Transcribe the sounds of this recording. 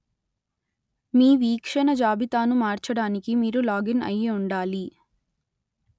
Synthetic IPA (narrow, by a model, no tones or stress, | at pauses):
miːʋiːkʂɐnɐd͡ʒaːbit̪aːnumaːɾt͡ʃɐɽaːnikimiːɾulaːɡinɐ̰jiuɳɖaːli